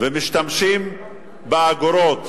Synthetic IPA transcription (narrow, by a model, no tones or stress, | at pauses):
vemiʃt̪amʃim | beaɡoɾot̪